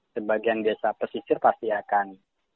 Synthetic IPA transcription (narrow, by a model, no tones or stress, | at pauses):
səbaɡianbasapərsisɪrpast̪iakan